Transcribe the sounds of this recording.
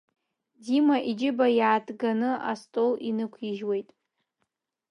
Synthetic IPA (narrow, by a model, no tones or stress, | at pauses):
dimaʔid͡ʒɪbajaːtʰʼɡanɨa̰stʼolinɨkʷʰiʒwe̞jtʼ